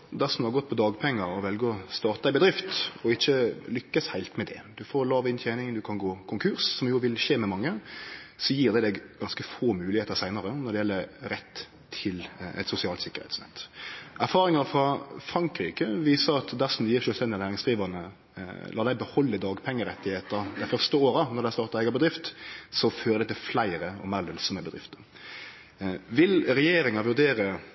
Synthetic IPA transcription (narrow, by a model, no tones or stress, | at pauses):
d̪æsnhɑɾɡɔt̪̚ːpʰɔd̪ɑːɡpʰɛŋːəɾɔʋɛlɡəɔst̪ɑːt̪əd̪æɪbəd̪ɾɪft̪ɔɪçːəlʏkːəshæɪlt̪mɛd̪ɛ̰d̪ʉfoːɾlɑːʋɪnt̪ʰjæɪnɪŋd̪ʉkʰɑnɡoːkʰʊŋkʰʉɾssɔmjuːʋɪlʃeːmɛmɑŋːəsɔjiːʁd̪ɛd̪ɛɡɡɑnskəfoːmʉːlɪheːt̪əɾsæɪnɑɾənɔɾd̪ɛjɛlːəɾɾɛt̪ʰː | ɪlɛ̰t̪sʊsɪɑːlsɪkːəɾhɛ̰t̪snɛ̰t̪ːæɾfɑːʁɪŋɑfɾɑfɾɑŋkɾiːkəʋiːsəɾɑt̪d̪æʁsɔm̩d̪ɛjiːɾʃœːlst̪ɛnd̪ɪɑnæːʁɪŋsɡ̥̪ʁiːʋɑʁnə | lɑːd̪æɪbəhɔlːəd̪ɑːɡpʰɛŋːəɾɛt̪ːɪheːt̪əɾd̪æɪfœʁst̪əoːɾənɔd̪æɪst̪ɑːt̪ɑɛɡɑbəd̪ɾɪft̪sɔføːɾəd̪ɛɪt̪ʰɪflæɪɾəɔ̰meːʁlœnsɔməbəd̪ɾɪ̰ft̪ə | ʋɪlɾɛjeːɾɪŋɑʋʉʁd̪eːɾə